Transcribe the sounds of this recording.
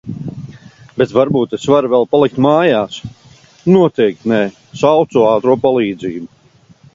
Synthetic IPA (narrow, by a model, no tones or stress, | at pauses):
bet̪vaɾbuːt̪esvaɾvɛlˠpalˠik̚t̪maːjaːs | nuɔt̪ɛjk̚t̪nɛː | sawt̪suɑːt̪ɾuɔpalˠiːd̪ziːbu